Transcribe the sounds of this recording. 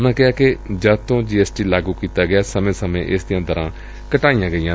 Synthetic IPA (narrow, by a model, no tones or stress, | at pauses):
ʊnãːkɪaːkɪd͡ʒaːt̪õːd͡ʒiːɛːsʈiːlaːɡuːkiːt̪aːɡɪaːsəmẽːsəmḛ̃ːʔɪsd̪ɪjãːd̪əɾãː | kəʈaːijãːɡəijãː